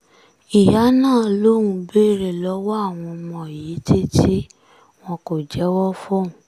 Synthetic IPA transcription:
i˨ja˨˦nãː˦˨lo˦ɾũ˧be˦˨ɾe˨lɔ˨˦wa˦a˦˨w̃ɔ̃˧mɔ̃˧˨ji˨˦ti˦ti˦ | w̃ɔ̃˧ko˨d͡ʒɛ˨˦wɔ˦fɔ˦˨ũ˨

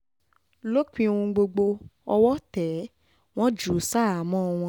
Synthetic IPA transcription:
lo˦k͡pĩ˧ũ˧ɡ͡bo˧ɡ͡bo˧ɔ˧wɔ˦tɛ˨˦ | w̃ɔ̃˦d͡ʒu˨˦sa˦˨a˨˦mɔ̃˦˧w̃ɔ̃˧

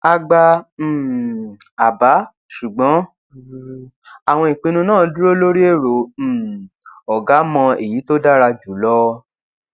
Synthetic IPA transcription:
a˧ɡ͡ba˧˨ | a˨ba˨˦ | ʃu˨ɡ͡bɔ̃˨˦ | a˨w̃ɔ̃˧i˨k͡pĩ˧nũ˧˦nãː˦˨˧du˦ɾo˦lo˦ɾi˦e˦˨ɾõ˨ | ɔ˨ɡa˨˦mɔ̃˧e˨ji˨˦to˦da˦ɾa˧d͡ʒu˨˦lɔ˦

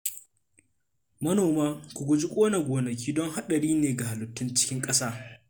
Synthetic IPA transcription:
mɐ˦noː˨maː˦kʷʊ˨ɡʷʊ˦d͡ʒɪ˦kʷʼoː˦na˨ɡʷoː˨nɐ˨k̬ʲiː˦dɔ˦ŋɦa˦ɗɐ˨ɽiː˦neː˨ɡa˨ha˨lʊ˨tːʊ˦nt͡ʃɪ̥˦kʲɪ˦ŋkʼɐ˦saː˦

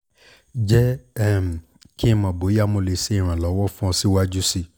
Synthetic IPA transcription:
d͡ʒɛ˦ɛ˦˨m̩˨ | ki˦˧mã˨bo˨˦ja˦˨mo˧le˨˧˨se˦ĩ˦˨ɾ̃ã˨lɔ˨˦wɔ˦fũ˦ɔ̃˧si˦wa˦d͡ʒu˦si˧

